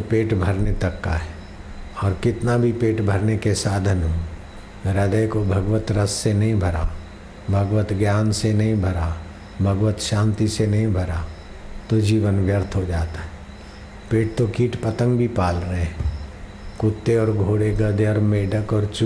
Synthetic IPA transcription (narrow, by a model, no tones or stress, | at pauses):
peːʈbʱɐɾnet̪ɐkːa̰ɦɛ | ɔːɾkɪt̪nabʱipeːʈbʱɐɾnekesaːd̪ʱənɦuː | ɾəd̪əjkobʱɐɡʋət̪ɾəsːenɐɦĩbʱɐɾa | bʱɐɡʋət̪ɡjaːnsenɐɦĩbʱɐɾa | bʱɐɡʋət̪ʃãːnt̪isenɐɦĩbʱɐɾa | t̪od͡ʒiːʋənʋjəɾt̪ʰɦod͡ʒaːt̪aɦɛː | peːʈ̚t̪okiːʈpɐt̪ə̃ŋɡbʱipaːlɾəɦeɦɛ̃ː | kʊt̪ːeɔːɾɡʱoːɽeɡəd̪ʱeɔːɾmeːɖəkɔːɾt͡ʃ